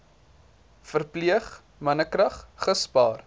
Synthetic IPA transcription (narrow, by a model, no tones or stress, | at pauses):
fərpliəχ | mɐnəkrɐχχəspɑːr